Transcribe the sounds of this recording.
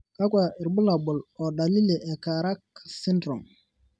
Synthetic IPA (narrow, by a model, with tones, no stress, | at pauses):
ka˦kʷa˨ɪ˨ɾbu˦la˨bʊ˨lɔ˨da˨li˦le˨ʔɛ˨ka˨ɾa˦k̚si˦ndɾɔ˨ŋ